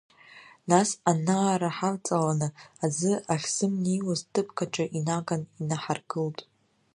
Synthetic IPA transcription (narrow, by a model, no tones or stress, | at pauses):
nasanaːɾaħalt͡sʼalanɨazɨaχʲz̥ɨmnijwaztʰʼɨpʰʼkʰaʈ͡ʂʼaʔinaɡaninaħarɡɨltʼ